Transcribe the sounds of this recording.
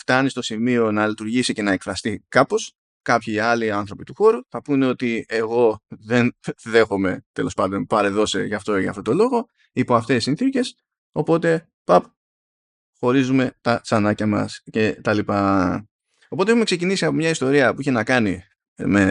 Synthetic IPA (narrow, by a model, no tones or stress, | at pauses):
ft̪ɐnist̪osimio̞nɐlit̪uɾʝisice̞nɐe̞kfɾɐst̪ikɐpo̞s | kɐpçiɐliɐnθɾo̞pit̪uxo̞ɾuθɐpuneo̞t̪ieɣo̞ðe̞nðe̞xo̞me̞t̪e̞lo̞spɐnd̪o̞npɐɾe̞ðo̞sḛʝɐft̪o̞ʝɐft̪o̞t̪o̞lo̞ɣo̞ | ipoɐft̪e̞sinθice̞s | o̞po̞t̪e̞ | pɐp | xo̞ɾizume̞t̪ɐsɐnɐcɐmɐ̰sce̞t̪ɐlipɐ | o̞pot̪eexume̞ksecinisiɐpo̞mɲɐist̪o̞ɾiɐpuiçenɐkɐni | me